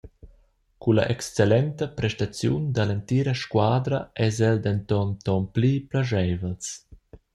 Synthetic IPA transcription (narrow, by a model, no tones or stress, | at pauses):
kula̰ʔɛkst͡selɛnt̪əpɾɛʃt̪at͡sjṵnd̪alent̪iːɾaʃkwaːd̪ɾaʔɛzɛld̪ɛnt̪ɔnt̪ɔnpliplaʒɛvəls